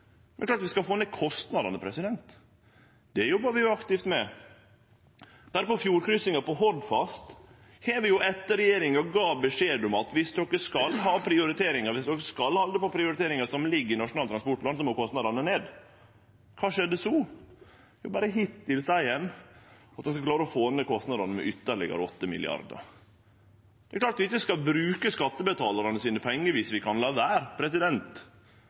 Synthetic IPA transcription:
mɛəklɑːɾɑt̪ʋɪskɑlfoːneːd̪kʰɔst̪nɑd̪ɑnəpʰɾɛsɪd̪ɛnt̪ | d̪̥ɛjɔbɑʋɪjʊɑkt̪ɪft̪mɛ | d̪̥æɾpɔfjuːɾkɾʏsɪŋɑpɔɦɔɾd̪fɑst̪ | hɛːʋɪjʊʔɛt̪ːəɾɛjeːɾɪŋəɾɔɡɑːbəʂeːd̪ʊmɑt̪ʋɪsd̪ɔkːəskɑlɦɑːpʰɾɪʊɾɪt̪ʰeːɾɪŋɑɾʋɪsd̪ɔkːəskɑlhɑnd̪əpɔpʰɾɪʊɾɪt̪eːɾɪŋəsɔmlɪɡːəɾɪnɑʂʊnɑːlt̪ɾɑnspɔʈ̚plɑnsɔmɔkʰɔst̪nɑd̪ɑɾnəneːd̪ | kʰɑːʂɛd̪ːəsɔ | jʊbɑːɾəɦɪt̪ːɪlsæɪɛnːɑt̪̚ɛnskɑklɑːɾəɔfoːnəkʰɔst̪nɑd̪ɑnəmɛ̰ʔʏt̪ːəɾɭɛ̰ɡə̰ɾɔt̪ːəmɪ̰lɪ̰ɑ̰ɾd̪ə̰ɾ | d̪̥ɛklɑːʈ̪ʋɪɪçːəskɑlbɾʉːkəskɑt̪ːəbət̪ʰɑːlɑɾənəsiːnəpʰɔɛŋːəʋɪsʋɪkʰɑnlɑːʋæːɾpʰɾɛsɪd̪ɛnt̪

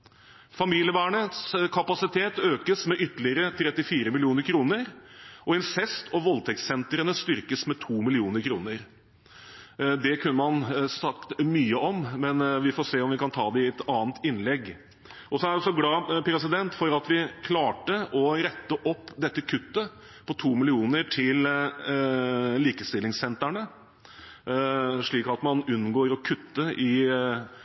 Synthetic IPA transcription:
fɑmiːlɪəʋæːɳət̪skʰɑpɑsɪt̪ʰeːt̪øːkəsmɛʔʏt̪ːlɪəɾət̪ʰɾɛt̪ːɪfiːɾəmɪlɪuːnəɾkʰɾuːnəɾɔɪnsɛst̪ʰɔʋɔlt̪ʰɛkssɛnt̪ɾənəst̪ʏɾkəsmɛt̪ʰuːmɪlɪuːnəɾkʰɾuːnəɾ | d̪ɛkʰʉnːəmɑnsɑkt̪myːəɔmmɛnʋɪfoːseːɔmʋɪkɑnt̪ʰɑːd̪ɛɪɛt̪ɑːnt̪ɪnlɛɡː | ʔɔsɔæɖɔsɔɡlɑːpʰɾɛs̬ɪd̪ɛnt̪fɔɾɑt̪ʋɪkʰlɑːʈəʔɔɾɛt̪ːəʔɔpːd̪ɛt̪ːəkʰʉt̪ːə | pʰɔt̪ʰuːmɪlɪuːnəɾʈʰɪl | liːkəst̪ɪlːɪŋsɛnt̪æɳə | ʂɭiːkɑt̪mɑnʉnːɡoːɾɔkʰʉt̪ːəʔɪ

